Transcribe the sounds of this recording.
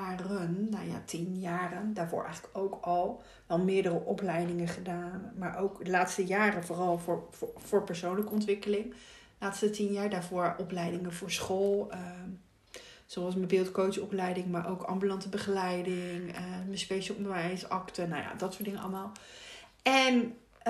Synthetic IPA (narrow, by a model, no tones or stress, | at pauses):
arənːawja̰tʰinjaːrəndaːɹvʊ̰ːɹʔɛ̰jχələ̥kowkɑlˠ | ʋɛlˠmɪːɹdərəʔɔplɛjdɪŋəχədaːnmaːɹʔowkdəlaːtstəjaːrənvʊːrɑlˠvʊːɹv̥ʊːɹpəɹsownləkəɔntʋɪkəlɪŋ | laːtstətinjaːɹdaːɹvʊːɹɔplɛjdɪŋəvʊːɹsχolˠə | z̥owɑlˠsməbɪːlˠtkowsɔplɛjdɪŋmaːɹʔowkʰɑ̰mbylɑntəbəχəlɛjdɪŋəməspejʃəl̩ˠɔ̃ndəʋɛjsɑktəna̰wja̰dɑtsʊtdɪŋənɑ̰lˠəmaːlˠ | ɛn